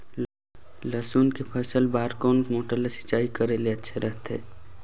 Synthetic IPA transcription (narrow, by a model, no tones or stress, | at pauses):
ləsuːnkepʰəsəlbaːɾkɔːnkmoːʈəɾlesɪ̥t͡ʃaːikəɾeleətːʃʰeɾəɦt̪ɦḛː